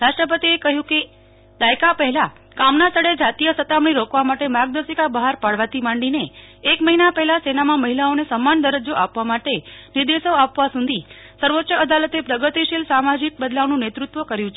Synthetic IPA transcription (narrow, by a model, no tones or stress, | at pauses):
ɾaʃʈɾəp̬ət̪iekəɦjũke | d̪ajkapəɦɛla | kamnast̪ʰəɽed͡ʒat̪ijəsət̪amɳ̃iɾokʋamaʈemaɡ̚d̪əsikabəɦaɾpaɽʋat̪ʰimãɳɖineːkməɦinapɛɦɛlasenamãməɦilaonesəmːand̪əɾəd͡ʒoʔapʋamaʈeniɾd̪eʃoapʋasũnd̪ʱi | səɾʋotːʃəəd̪alət̪epɾəɡət̪iʃilsamad͡ʒik̚bəd̪laʋnũnet̪ɾut̪ʋəkəɾjũt͡ʃʰe